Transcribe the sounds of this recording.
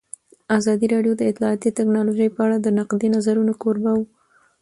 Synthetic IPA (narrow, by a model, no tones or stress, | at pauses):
azɑd̪iɾɑɖjod̪əɪt̪lɑːt̪it̪aknɑloʒəjpəaɽad̪ənaqd̪enazaɾunokoɾbaw